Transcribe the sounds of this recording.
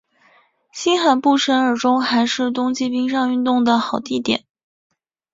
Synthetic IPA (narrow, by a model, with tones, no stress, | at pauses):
ɕi˥nxa˨˩npu˥˩ʈ͡ʂʰə˧˥nə˞˨˩ʈ͡ʂʊ˥ŋxa˧˥ɪʂɻ̩˥˩t̪ʊ˥ŋt͡ɕi˥pi˥ŋʂɑ˥˧ŋy˥˧nt̪ʊ˥˩ŋd̪ə˩xɑ˨˩ʊt̪i˥˩t̪jɛ̰˨˩˦n